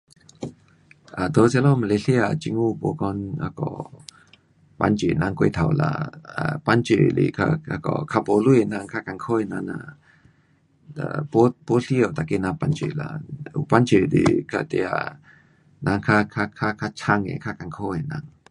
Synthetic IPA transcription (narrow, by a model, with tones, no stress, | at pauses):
ʔa˨t̪o˧˦sa˧lɔ˦ma˧˨le˧ɬi˦a˨t͡ʃi˧˦ŋu˦˨bo˨kɔ˧na̰˧kɔ̰˨ | pa̰˧˦nt͡ʃḛ˨na˧ŋko˧˦t̪ʰa˨wla̰˧a˨pa˦nt͡ʃḛ˨lḭ˨kʰa̰˧a˧kɔ̰˨kʰa˧po˧˦lu˦e˨na˧ŋkʰa˦ka˧˨ŋkʰo˦e˨na˧na̰˧˨ | a̰˨po˦po˦ɬi˦o˨t̪a˨ke˧˦na˧pa˧˦nt͡ʃe˧˨la̰˧˨u˨pa˦nt͡ʃe˨dḭ˨kʰa˧˨t̪e˧a̰˨ | nʔa˧ŋkʰa˧kʰa˧kʰa˦kʰa˧t͡ʃʰa˧ŋḛ˨kʰa˦ka˨ŋkʰo˦e˨na˧˦ŋ